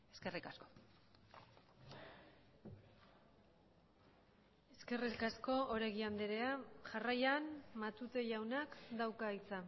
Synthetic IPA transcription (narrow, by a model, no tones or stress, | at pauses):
e̞ske̞rikasko̞̥ | e̞ske̞rikasko̞ʔoɾeɣiand̪eɾeaʝarajanmat̪ut̪e̞ʝawnakd̪awkait͡sa